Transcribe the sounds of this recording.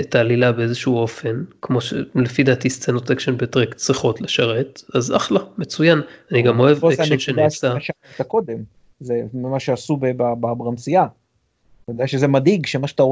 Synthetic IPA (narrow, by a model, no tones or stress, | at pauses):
etaːlilabeezeʃuuo̞fe̞nkmo̞ʃḛlefid̪atist͡senotekʃenbetʁekt͡sʁiχo̞tleʃaʁe̞taza̰χlame̞t͡sujananiɡamo̞evekʃenʃenasaaʃ | t̪ako̞d̪e̞m | zemmaʃeasubebababʁansia | taodejaʃezemad̪iɡʃemaʃet̪a